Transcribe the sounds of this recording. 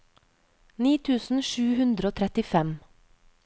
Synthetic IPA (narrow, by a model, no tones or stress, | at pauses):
niːt̪ʰʉːsn̩ʃʉːhʉnd̪ɾəoːt̪ʰɾɛt̪ɪfɛm